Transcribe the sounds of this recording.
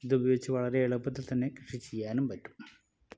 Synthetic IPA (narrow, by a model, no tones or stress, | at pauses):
iðubʱɐjoːɡit͡ɕːɨʋɐɭɐɾe̞ːɭupːɐt̪ːilt̪ɐnːe̞krɨʂit͡ɕːejːaːnumpɐtːu̥m